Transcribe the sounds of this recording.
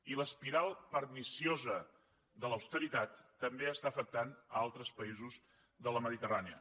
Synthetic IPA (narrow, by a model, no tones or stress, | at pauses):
iləspiɾalˠpəɾmisiozə | d̪ələwst̪əɾit̪at̪ːəmbeəst̪aəfək̚t̪anəalˠt̪ɾəspəizuz | ðələməðit̪əraniə̰